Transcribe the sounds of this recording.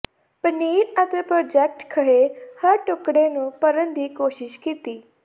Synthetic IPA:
pəniːɾət̪eːpɾɔːd͡ʒɛk̚ʈkʰəɦehəɾʈʊkɽeːnũːpəɾənd̪iːkoːʃɪʃkiːt̪iː

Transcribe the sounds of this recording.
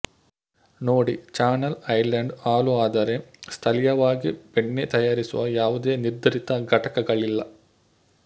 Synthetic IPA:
no̞ːɽit͡ɕaːnɐlɐjlɐɳɖaːloaːd̪aːɾjɐmst̪ʰɐlijɐʋaːɡipeɳːet̪ɐjaːɾisuʋɐ̰jaːʋɐd̪eniɾd̪ʱɐɾit̪ːɐɡʱɐʈɐkːɐɣɐɭilːɐ

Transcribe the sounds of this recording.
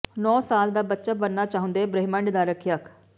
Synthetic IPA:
nɔːsaːld̪aːbətːʃaːbənːaːt͡ʃaːɦʊ̃nd̪eːbɾəɦɪmə̃ɳɖd̪aːɾəkʰjəkʰ

